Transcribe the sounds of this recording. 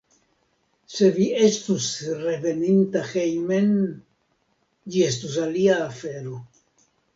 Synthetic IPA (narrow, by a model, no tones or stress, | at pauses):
se̞vie̞stusreve̞nint̪axejme̞n | d͡ʒiestus̬aliaːfeɾo